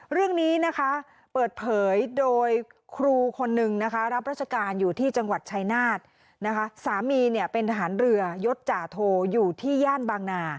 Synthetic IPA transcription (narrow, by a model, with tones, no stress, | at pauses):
ɾɯ˥˩əŋniː˦˥na˦˥kʰa˦˥ | pɤː˨˩t̪̚pʰɤː˩˦jdoː˧jkʰɾuː˧kʰo˧nːɯ˨˩ŋna˦˥kʰa˦˥ɾa˦˥p̚ɾaː˦˥t͡ɕʰa˧kaː˧njuː˨˩t̪ʰiː˥˩t͡ɕa˧ŋwa˨˩t̪̚t͡ɕʰa˧jnaː˥˩t̪̚ | na˦˥kʰa˦˥saː˩˦miː˧ni˥˩əpe˧nt̪ʰa˧ɦaː˩˦nɾɯ˧ɐjo˦˥t̪̚t͡ɕaː˨˩t̪ʰoː˧juː˨˩t̪ʰiː˥˩jaː˥˩nbaː˧ŋnaː˧